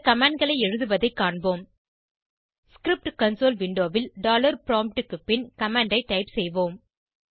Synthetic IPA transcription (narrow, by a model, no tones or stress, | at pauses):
kɐmaːɳɖ̚ɡɐɭɐɪɛɻɯðɯʋɐðɐɪkːaːɳboːm | skɾɪp̚ʈkɐnsoːlʋɪɳɖoːʋɪlɖaːlɐɾpɾoːmpʈɯkːɯpːɪnkɐmaːɳɖɐɪʈːɐɪpsɛjʋoːm